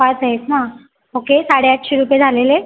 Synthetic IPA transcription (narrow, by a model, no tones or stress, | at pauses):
ataɦesɦã | okesaɽeaʈɕeɾupjed͡zʱalele